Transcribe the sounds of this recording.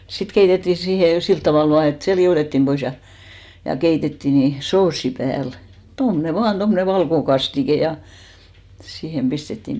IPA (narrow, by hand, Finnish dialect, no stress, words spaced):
sit keitetːiˑ siːhe silt tɑʋɑˑl ʋɑː et se lioˑtetːim b̥ois jɑ jɑ keitetːiˑ ni soːsːi pæːl tomne ʋɑːn tomːŏne ʋɑlkokɑstike jɑ siːhem pistetːim